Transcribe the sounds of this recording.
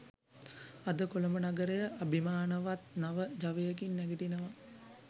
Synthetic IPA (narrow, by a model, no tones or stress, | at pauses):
ad̪əkoləmənaɡəɾəjəʔabʱimaːnəʋat̪naʋəd͡ʒaʋejəkinːæɡiʈinəʋa